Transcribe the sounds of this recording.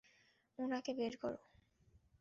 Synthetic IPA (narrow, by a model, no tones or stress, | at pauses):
onakebeɾkɔ̰ɾo